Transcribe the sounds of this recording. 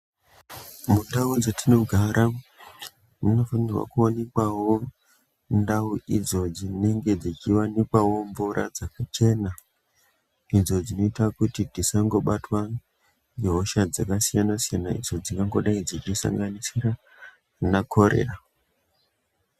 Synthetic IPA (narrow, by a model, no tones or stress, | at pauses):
mundaud͡zotʰino̞ɡʱaɾʔa | muno̞fanirwa̰kuonekwawo̞ | ndauʔid͡zo̞d͡zine̞ŋɡe̞d͡zit͡ʃiwanikwawo̞mvuɾʔa̰d͡zakat͡ʃe̞na | id͡zo̞d͡zino̞itakutitisaŋɡo̞ɓatwa | nɡeɦo̞ʃad͡zakasijanasijanaḭd͡zo̞d͡ziŋɡaŋɡo̞ɗaid͡zit͡ʃisa̰ŋɡanisira | nakʰo̞ɾḛra